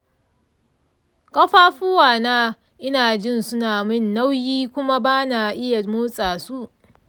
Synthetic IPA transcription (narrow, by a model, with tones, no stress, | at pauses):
kʼɐ˦ɸaː˦ɸuː˦waː˨naː˦ | ʔɪ˦naː˨d͡ʒɪ˦˨nsʊ˦naː˨mɪ˦nːa˦wjiː˦kʷʊ˦ma˦baː˦na˨ʔɪ˦ja˨moː˦sʼaː˨su˦ʔ